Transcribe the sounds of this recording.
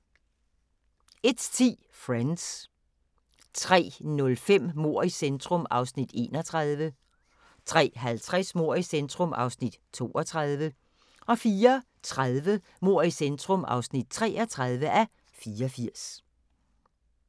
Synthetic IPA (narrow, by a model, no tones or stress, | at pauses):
e̝d̥t͡sʰḭː | fʁans | t͡sʰʁɛ̰ːnɔ̽lfem̰mo̝ɐ̰isend̥ʁɔ̽mɑ̈ʊsnid̥e̝̰ːnɒt͡sʰʁað̞ˠʋə | t͡sʰʁɛ̰ːɦælt͡sʰʁɛsmo̝ɐ̰isend̥ʁɔ̽mɑ̈ʊsnid̥t͡sʰo̝̰ːɒ̽t͡sʰʁɑðˠʋə | ɒ̽fiːɐ | t͡sʰʁaðˠʋə | mo̝ɐ̰isend̥ʁɔmʔɑ̈ʊsnid̥̚t͡sʰʁɛ̰ːɒt͡sʰʁɑðˠʋəʔæ | fiːɒfiɐ̰s